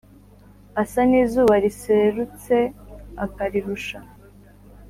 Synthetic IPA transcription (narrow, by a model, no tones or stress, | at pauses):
asaniːzuːβaɾise̞ɾut͡se̞akaɾiɾuʃa